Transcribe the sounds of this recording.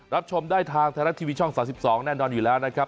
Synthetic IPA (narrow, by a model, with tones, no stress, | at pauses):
ɾa˦˥p̚t͡ɕʰo˧mdaː˥˩jt̪ʰaː˧ŋt̪ʰa˧ɾa˦˥t̪ʰiː˧wiː˧t͡ɕʰɔ˥˩ŋsaː˩˦msi˨˩p̚sɔː˩˦ŋnɛː˥˩nɔː˧njuː˨˩lɛː˦˥wna˦˥kʰɾa˦˥p̚